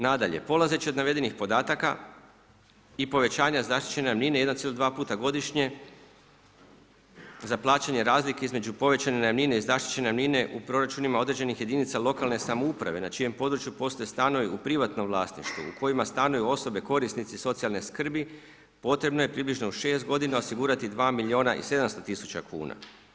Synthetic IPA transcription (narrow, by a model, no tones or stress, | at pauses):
nad̪aʎe̞̰po̞lˠaze̞t͡ɕio̞d̪naʋe̞d̪enixpo̞d̪aːt̪aka̰ | ipo̞ʋe̞aːɲazaʃt̪i̥t͡ɕe̞nejamninee̞d̪ant̪ielod̪ʋaːpuːt̪aɡo̞d̪iʃɲe̞ | zaplˠaːt͡ɕaɲe̞ɾaːzlike̞izmed͡ʑupo̞ʋe̞t͡ɕanenamnineizaʃt̪i̥t͡ɕe̞neamnine̞ʔupɾo̞ɾat͡ʃunimao̞d̪ɾe̞d͡ʒe̞nixje̞d̪init̪salo̞kalne̞samoupɾa̰ʋe̞nat͡ʃije̞mpo̞d̪ɾut͡ʃjupo̞ːst̪ojest̪ano̞ʋiupɾiʋat̪no̞mʋlˠaːsnḭʃt̪ʋṵṵkʰo̞imast̪anojuo̞so̞be̞ko̞ɾisnit̪siso̞t̪sialneskr̩bi | po̞t̪ɾe̞bno̞je̞pɾiːbliʒnouʃe̞ːst̪̚ɡo̞d̪inao̞siɡuːɾat̪id̪ʋaːmilʲio̞ːnaʔḭse̞d̪amst̪ot̪isu̥t͡ɕakʰṵːna̰